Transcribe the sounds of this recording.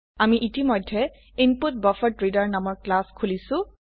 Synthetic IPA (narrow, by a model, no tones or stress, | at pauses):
amiʔitimɔjdʱːɛ | input̚bɔfɔtɹidaɹnamɔɹklaskʰulisʊ̃